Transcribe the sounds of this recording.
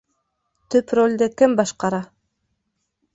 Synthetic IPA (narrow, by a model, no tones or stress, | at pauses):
t̪ɵprolʲd̪ekɘmbɑʃqɑɾɑ